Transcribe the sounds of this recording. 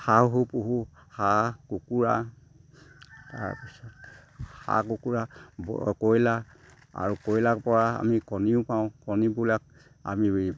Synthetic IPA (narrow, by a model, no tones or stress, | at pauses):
haɦupuɦuhakukuɹa | a̰ɹpisɔtha̰kukuɹabkɔjla | a̰ɹukɔjlakpɔɹaa̰mikɔniʊpaʊ̃kɔnibulak̚ | a̰mi